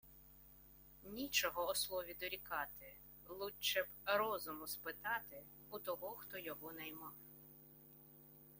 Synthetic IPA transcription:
nʲit͡ʃɔɦɔːslˠɔʋʲid̪ɔɾʲikɑt̪ɪ | lˠut͡ʃɛbɾɔzʊmʊspɪt̪ɑt̪ɪ | ut̪ɔɦɔxt̪ɔjɔɦɔnɐjmɑw

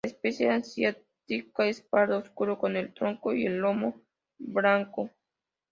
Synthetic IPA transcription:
espesjaansjat̪ikaespaɾd̪ooskʊɾokonelt̪ɾoŋkoielomo | bɾaŋko

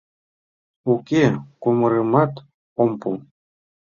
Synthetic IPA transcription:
ukekumɤɾɤmɑt̪ | ompu

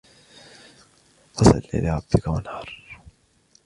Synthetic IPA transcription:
fɑsɑ̰lːḭbɪɾɑb̥ːɪkawanhɑɾˤ

